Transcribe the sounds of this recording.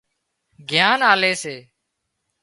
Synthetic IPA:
ɡʱjaːnaːleːseː

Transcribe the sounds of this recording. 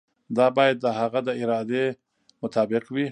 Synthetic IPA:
d̪ɑbɑjad̪̚ːəhaɣad̪əɪɾɑd̪e | mʊt̪ʰɑːbɪqwi

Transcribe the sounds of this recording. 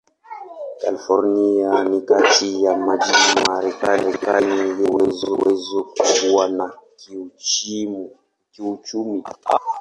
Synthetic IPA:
kalifɔɾnianikatʰijamad͡ʒimaɾɛkalɛkaniliwɛzwɛzɔkukuwana | kiut͡ʃumi

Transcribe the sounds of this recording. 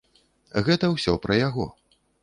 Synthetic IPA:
ɣɛt̪ɐwsʲɔpɾɐjaɣɔ

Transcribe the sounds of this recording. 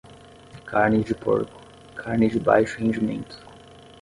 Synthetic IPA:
kʰaɾnɪd͡ʒɪpo̰ɾkʊ̥ | kʰaɾnɪd͡ʒɪba̰jʃʊhẽd͡ʒɪmḛ̃nt̪ʊ̥

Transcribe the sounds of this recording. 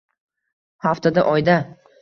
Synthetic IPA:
haft̪ʰad̪aʔɒjd̪a

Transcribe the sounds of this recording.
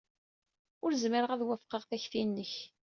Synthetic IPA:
ʊɾzməɾəʁæðwæfqəʁθæçθinːəç

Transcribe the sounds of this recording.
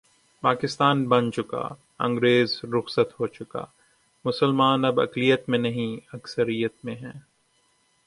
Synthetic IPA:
paːkɪst̪aːnbɐ̃nt͡ʃʊka̰ː | ɐ̰̃ŋɡɾeːzɾʊxsət̪ɦoːt͡ʃʊka̰ː | mʊsəlmaːnɐbɐ̰klijət̪mẽnɐɦĩɐksəɾijət̪̚mẽɦɛ̃ː

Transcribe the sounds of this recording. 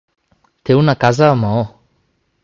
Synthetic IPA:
t̪ewnakazaːmaɔ

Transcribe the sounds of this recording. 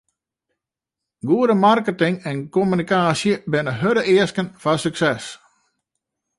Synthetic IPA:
ɡuədəmarkətɪŋɛnkomynikaːsjəbɪnəɦøɾəʔɪəskənfasyksɛs

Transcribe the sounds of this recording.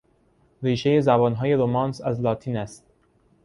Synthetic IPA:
ɾiːʃe̞jezæbɒːnɦɒːje̞ɾomɒːnsæzlɒːt̪ʰiːnæst̪̚

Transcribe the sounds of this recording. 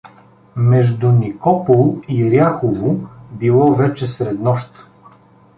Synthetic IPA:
mɛʒd̪unikɔpolˠiɾjaxovobilˠɔvɛt͡ʃɛsɾɛd̪nɔʃt̪

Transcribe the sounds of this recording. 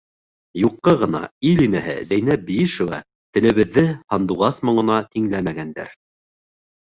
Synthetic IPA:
juqːɤʁɤ̆nɑ̰ilinæɦɘ̰zæjnæbijiʃŏvɑ̰ | t̪ɘ̆lɘ̆βɘ̆ðːɘhɑnd̪uʁɑsmŏɴɤ̆nɑt̪iŋlæmæɡænd̪æ̰ɾ

